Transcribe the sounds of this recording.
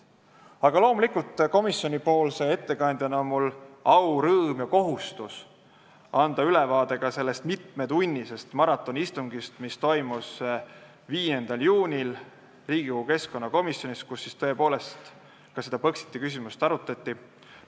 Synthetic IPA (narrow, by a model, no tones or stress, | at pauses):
ɑɡ̥ɑlo̞ːmulikult̪ˑko̞misjo̞nʲipo̞ːlse̞e̞t̪ːe̞kɑnd̪jɑnonmulɑwɾɤːmjɑko̞ɦust̪us | ɑnd̪̥ɑylevɑːd̪̥e̞ɡ̥ɑse̞lːest̪mit̪me̞d̪unʲːise̞st̪mɑɾɑt̪ːˑo̞nist̪uŋɡist̪mist̪o̞jmus | viːje̞nd̪̥ɑljuːnʲil | riːɡ̥iuɡuke̞sko̞nːɑko̞misjo̞nʲist̪kusːist̪ɤe̞po̞ːle̞st̪ | kɑse̞d̪̥ɑpɤksi̥t̪ːˑikys̬ʲimust̪ɑɾut̪ˑɑt̪ʲˑːi